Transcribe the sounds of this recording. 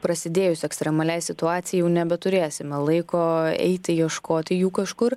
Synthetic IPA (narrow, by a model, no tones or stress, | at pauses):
pɾɐsʲɪd̪ʲeːjʊsʲɛkst̪ɾʲɛmɐlʲɛɪsʲɪt̪ʊɑːt̪sʲɪjɛɪjɛʊnʲɛbʲɛt̪ʊɾʲeːsʲɪmʲɛlˠɐɪkoːɛ̰ɪt̪ʲɪjiɛʃkoːt̪ʲɪjuːkɐʃkʊr